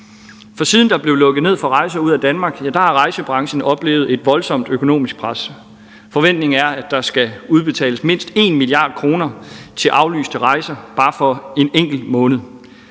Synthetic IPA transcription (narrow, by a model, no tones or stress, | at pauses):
fɒ̽siːð̞ˠn̩d̥ɑ̈b̥le̝ʊlɔ̽ɡ̥ð̩ˠne̝ð̰ˠfɒ̽ʁɑ̈ɪsɐuð̰ˠæd̥ænmɑ̈ːɡ̥jæd̥ɑ̈hɑ̈ʁɑ̈ɪsəb̥ʁɑ̈ŋɕən̩ɒ̽b̥le̝̰ːʊð̞̩ˠe̝d̥ʋɒ̽lsɒ̽m̰d̥økʰo̝no̝̰ːmisɡ̥̚pʰʁɑs | fɒ̽ʋen̰d̥ne̝ŋ̩æɐæd̥ɑ̈sɡ̥æuð̞ˠb̥e̝t͡sʰɛ̰ːləsme̝n̰sd̥e̝̰nmiliɑ̰̈ːd̥̚kʰʁo̝ːnɐt͡sʰe̝lʔɑ̈ʊly̰ːsd̥əʁɑ̈ɪsɐb̥ɑ̈ːfɒ̽e̝neŋ̰ɡ̥l̩mɔ̽ːnð̞̩ˠ